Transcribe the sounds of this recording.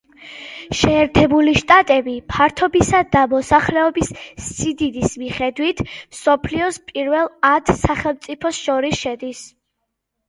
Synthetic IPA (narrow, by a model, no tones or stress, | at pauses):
ʃɛːɾt̪ʰɛbuliʃt̪ʼat̪ʼɛbipʰaɾt̪ʰɔbisad̪amɔsaχlɛɔbisːid̪id̪ismiχɛd̪wit̪ʰmsɔpʰliɔspʼiɾvɛlˠat̪ʰsaχɛlˠmt̪sʼipʰɔsʃɔɾisʃɛd̪is